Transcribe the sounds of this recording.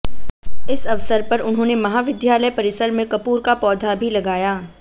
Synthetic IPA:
ɪsɐʋsəɾpɐɾʊnɦõːnemɐɦaːʋɪd̪jaːləjpɐɾɪsəɾmẽkɐpuːɾkapɔːd̪ʱabʱilɐɡaːjaː

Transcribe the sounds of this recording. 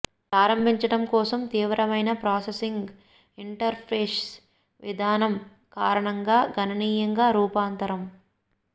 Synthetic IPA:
pɾaːɾɐmbʱiɲt͡ʃɐʈɐmkɔːsɐmt̪iːʋɾɐʋɐjnɐpɾaːsesiŋɡ | iɳʈɐɾpʰeːs | ʋḭd̪ʱaːnɐm | kaːɾɐɳɐŋɡaːɡʱɐnɐniːjɐŋɡaːɾuːpaːnt̪ɐɾɐm

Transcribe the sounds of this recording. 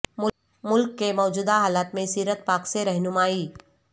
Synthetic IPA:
mʊ | mʊlkːemɔːd͡ʒuːd̪aɦaːlaːt̪mẽsiːɾət̪paːkseɾɛɦnʊmaːiː

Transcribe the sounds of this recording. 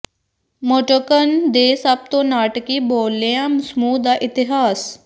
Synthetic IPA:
moʈəkənd̪eːsəb̚t̪õːnaːʈkiːboːlːeãːmsmuːd̪aːʔɪt̪ɪɦaːs

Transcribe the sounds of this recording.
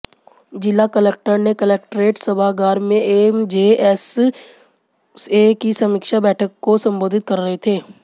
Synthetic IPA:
d͡ʒɪlːakəlɛːk̚ʈəɾnekəlɛːk̚ʈɾeːʈsəbʱaɡaːɾmẽemd͡ʒeːɛs | seːkisɐmɪkʃabɛːʈʰəkːosɐ̃mboːd̪ʱɪt̪̚kɐɾːəɦet̪ʰeː

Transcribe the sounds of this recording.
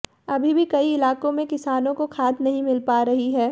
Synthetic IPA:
ɐbʱibʱikɐiɪlaːkõmẽkɪsaːnõkokʰaːd̪nɐɦĩmɪlpaːɾɐɦiɦɛː

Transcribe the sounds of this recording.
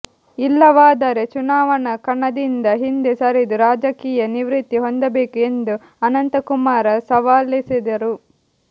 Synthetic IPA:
ilːɐʋaːd̪ɐɾet͡ʃunaːʋɐɳɐkɐɳːɐd̪ind̪ɐɦind̪esɐɾid̪uɾaːd͡ʒɐkiːjɐniʋɾit̪ːiɦond̪ɐbeːkue̞nd̪u | ɐnɐnt̪ɐkumaːɾɐsɐʋaːlisid̪ɐɾu

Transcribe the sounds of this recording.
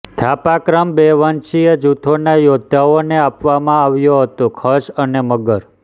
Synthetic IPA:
t̪ʰapakɾəmbeʋənt͡ʃijəd͡ʒut̪ʰonajod̪ʱːaoneapʋamãaʋjũɦət̪õkʰəʃəneməɡəɾ

